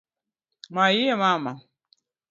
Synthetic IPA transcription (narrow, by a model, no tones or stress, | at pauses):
majiɛmama